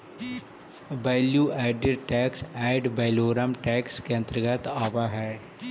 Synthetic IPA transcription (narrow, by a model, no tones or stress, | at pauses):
bɛːljuːɛːɪɖəɾʈɛːksɛːɪɖbɛːloːɾəmʈɛːkskeə̃nt̪ɾəɡət̪aːʋaɦɛː